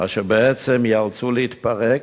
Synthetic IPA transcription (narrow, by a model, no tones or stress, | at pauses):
a̰ʃɛbɛɛt͡sɛmjalt͡suləit̪paʁɛk